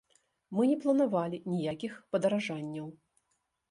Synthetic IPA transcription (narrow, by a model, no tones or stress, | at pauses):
mɨnʲɛplˠɐnavalʲinʲijakʲixpɐd̪ɐɾaʐanʲːɐw